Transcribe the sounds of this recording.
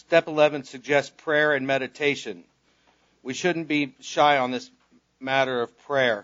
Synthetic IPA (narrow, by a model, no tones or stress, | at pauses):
stɛpəlɛvɨ̃nsɨɡ̚d͡ʒɛspʰɹ̥ɛɹɨ̃nmɛɾɨtʰeɪʃɨ̃n | wiʃʊdⁿn̩b̥iʃaɪə̃nðɪs | mæɾə˞ʌv̥pʰɹ̥ɛɹ